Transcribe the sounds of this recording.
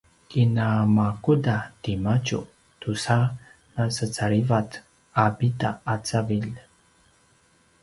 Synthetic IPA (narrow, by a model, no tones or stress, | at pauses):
kinamakudat̪imat͡ʃṵ | t̪usa | nasət͡saɾivat̪ | abitaːt͡savil